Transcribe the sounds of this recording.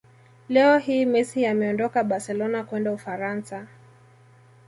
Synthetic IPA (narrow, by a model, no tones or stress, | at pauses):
lɛɔhiːmɛsiamɛɔndɔkaɓasɛlɔnakwɛndaufaɾansa